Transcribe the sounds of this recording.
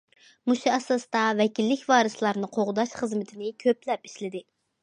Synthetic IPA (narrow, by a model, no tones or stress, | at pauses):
muʃɛsɑst̪ɑvɛkʲilːɪkʲvɑːɾɨslˠɑɾnɨqʰoʁʊd̪ɑʃχəzmɪt̪ʰɪnɪkʲʰøplɛpiʃlɪd̪ɪ